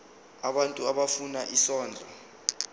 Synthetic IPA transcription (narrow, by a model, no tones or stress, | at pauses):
aɓantʼuaɓafunaʔisɔːnd͡ɮʱɔ